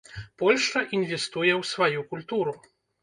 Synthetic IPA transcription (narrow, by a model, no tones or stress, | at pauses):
pɔlʲʂt͡ʂɐʔinvʲɛst̪ujɛwsvajukulʲt̪uɾu